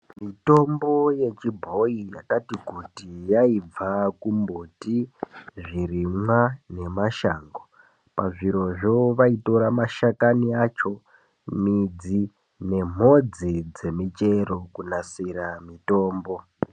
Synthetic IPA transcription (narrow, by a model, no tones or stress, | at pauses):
mito̞mbo̞je̞t͡ʃibʱo̞ija̰katikutijaib͡vakumbotiʐiɾimwane̞maʃaːŋɡo | paʐiɾo̞ʐo̞ʋaito̞ɾamaʃakaniat͡ʃo̞ | mid͡zi | ne̞m̤o̞d͡zid͡ze̞mit͡ʃe̞ɾo̞kunasiɾamito̞ːmbo